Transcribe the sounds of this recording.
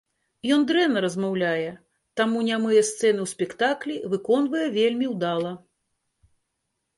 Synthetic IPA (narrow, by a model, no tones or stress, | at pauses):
jɔnd̪ɾɛnɐɾɐzmawlʲajɛ | t̪amunʲamɨjɛst̪sɛnɨwsʲpʲɛkt̪aklʲivɨkɔnvɐjɛvʲelʲmʲiwd̪alˠɐ